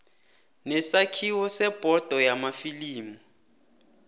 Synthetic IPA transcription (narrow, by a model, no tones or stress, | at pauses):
nɛsakʰiwɔsɛb̥ʱɔd̥ʱɔjamafiliːmu